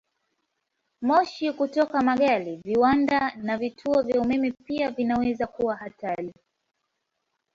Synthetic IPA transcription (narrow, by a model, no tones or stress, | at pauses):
mɔʃikutɔkamaɠaliviwandanavitʰuɔvjaumɛmɛpiavinawɛzakuwahatali